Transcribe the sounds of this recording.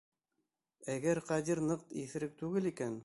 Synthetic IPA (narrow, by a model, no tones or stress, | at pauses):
æɡæɾqɑd̪iɾnɤqt̪iθɘ̆ɾɘk̚t̪ʉɡɘlikæn